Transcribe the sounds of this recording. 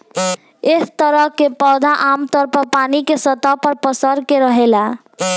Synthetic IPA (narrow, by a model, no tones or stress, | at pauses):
est̪əɾəkːepɔd̪ʱaʔamt̪ɔɾpəɾpanikesət̪ɔpəɾpəsəɾkeɾəɦela